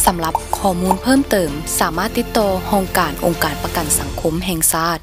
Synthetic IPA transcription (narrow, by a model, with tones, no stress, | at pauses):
sa˩˦mla˧˦p̚kʰɔː˧˩muː˧˥npʰɤː˥˨mt̪ɤː˨˩msaː˨˦maː˥˩t̪ːi˧˦t̪ːɔː˧hɔː˧ŋkaː˨˩nʔo˨ŋkaː˨˩npa˧ka˨˩nsa˨˩˦ŋkʰo˧˥mɦɛː˧ŋsaː˥˩t̪̚